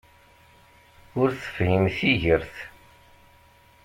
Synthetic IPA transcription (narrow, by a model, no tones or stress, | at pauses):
ʊɾθə̥fhimθiʝəɾθ